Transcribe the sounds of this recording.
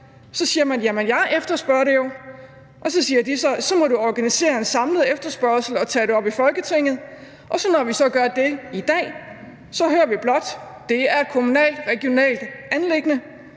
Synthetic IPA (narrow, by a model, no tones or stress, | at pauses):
sɒ̽siːɐmænjæmenjɑ̈ɪʔefd̥ɐsb̥ɶɐɾe̝jo̝ | ʔɒ̽sɒ̽siːɐd̥isɒ̽sɒ̽mɒ̽ɾuɒɡ̥ænise̝̰ːɐe̝nsɑ̈mləð̩ˠefd̥ɐsb̥ɶɐ̰sl̩ɒ̽t͡sʰɛ̰ːɾe̝ɒ̽b̥ifɒ̽lɡ̥ət͡sʰe̝ŋ̰ð̞̩ˠ | ʔɒ̽sɒ̽nɒʋisɒ̽ɡ̥ɶɐd̥e̝id̥ɛ̰ː | sɒ̽høːɐʋib̥lɒ̽d̥ | d̥e̝æɐe̝d̥̚kʰo̝munɛ̰ːld̥ʁɛɡ̥io̝nɛ̰ːld̥ænle̝ɡ̥ənə